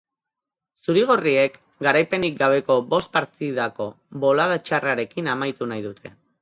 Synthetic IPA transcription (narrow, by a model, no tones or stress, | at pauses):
suɾiɣ̞o̞rie̞k | ɡaɾajpe̞nik̚ɡaβ̞e̞ko̞bo̞st̪̚paɾt̪iðako̞ | βo̞laðat͡ʃaraɾe̞kinamajt̪unajðut̪ʰe̞